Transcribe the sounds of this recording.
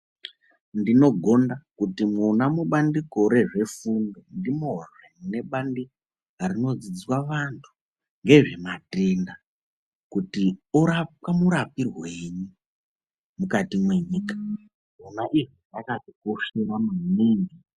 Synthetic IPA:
ndino̞ɡʱo̞ndakutimunamuɓandikoɾe̞ʐe̞fundondimoramune̞ɓandi | aɾino̞d͡zid͡zwaʋantʰu̥ | ŋɡe̞ʐe̞matinda | kutioɾap̚kamuɾapirweɲu | mukatimwe̞ɲiːkḁ | munaʔiʐinakaʐikoʃeramuumeːndi

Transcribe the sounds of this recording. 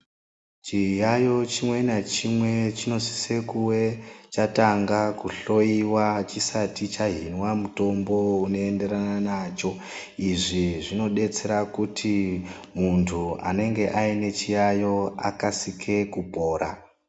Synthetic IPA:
t͡ʃijajo̞t͡ʃimwe̞nat͡ʃimwe̞t͡ʃino̞si̥se̞kuwe̞t͡ʃataŋɡakuɬo̞iwat͡ʃisatit͡ʃaɦinwamuto̞mbo̞uno̞ende̞ɾananat͡ʃo̞ | iʐiʐino̞ɗe̞t͡se̞ɾakutʰi | muntʰua̰ne̞ŋɡe̞ʔaine̞t͡ʃijajo̞a̰kasikʰe̞kupo̞ːɾa̰

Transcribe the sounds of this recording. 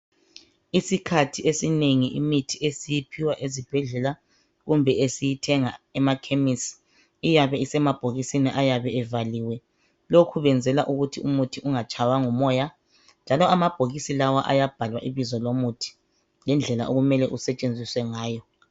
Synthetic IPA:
isikʰatʰiʔesineŋiʔimitʰiesijipʰiwaʔezib̥ʱɛɮɛla | ɣumbʱɛʔesijitʰɛŋaɛmakʰemisi̥ | ijaβɛisɛmab̥ʱoɣisiniʔajaβɛɛvaliwɛ | lokʰuβɛnd͡zʱɛlaʔuɣutʰiumutʰiʔuŋat͡ʃʰʼawaŋumɔja | nd͡ʒʱalɔamab̥ʱoɣisilawaʔajab̥ʱalwaʔiβizɔlomutʰi̥ | lɛnd͡ɮʱɛla̰ʔoɣumɛlɛʔusɛt͡ʃʼend͡zʱiswɛŋaːjɔ

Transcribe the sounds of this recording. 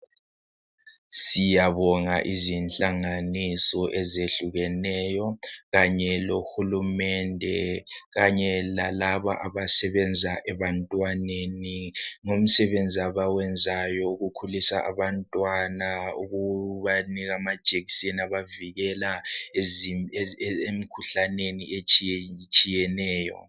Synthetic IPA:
sijaβɔŋa̰ʔizinɬʼaŋanisɔʔɛzeɬuɣɛnɛjɔɣaɲɛloxulumɛndʱɛɣaɲɛla̰laβa̰ʔaβasɛβɛnd͡zʱaʔɛβantʼwaneniŋom̩sɛβend͡zʱiaβawɛnd͡zʱajɔuɣukʰulisaʔa̰βantʼwanauɣuβaniɣamad̥ʒ̥ʱeki̥seniaβaviɣɛla | emikʰuɬaneniet͡ʃʼit͡ʃʼijɛnɛːjɔ̰

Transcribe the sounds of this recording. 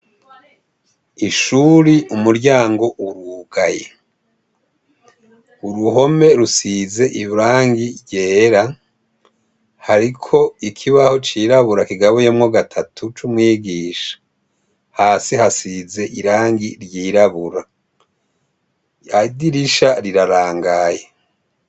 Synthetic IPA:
iʃuːɾiʔumuɾɟaːŋɡo̞ʔuɾuːɡaje | uɾuho̞me̞ɾusize̞ʔiβuɾaːŋɡiɟeːɾa | haɾikʰo̞ikʰiβaho̞t͡ʃiːɾaβuɾakiɡaβejomŋoɡatʰatʰut͡ʃumŋwiːɡiːʃḁ | haːsihasize̞ʔiɾaːŋɡiɾjiːɾaβuɾa | adiɾiʃaɾiɾaɾaːŋɡaje

